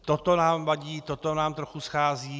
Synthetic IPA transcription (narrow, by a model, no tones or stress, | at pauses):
t̪ot̪onaːmvaɟiːt̪ot̪onaːmt̪ɾoxusxaːziː